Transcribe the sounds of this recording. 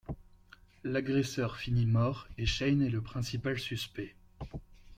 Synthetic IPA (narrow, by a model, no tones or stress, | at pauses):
laɡʁesœʁfinimɔʁeʃɛjnɛləpχɛ̃sipalsyspɛ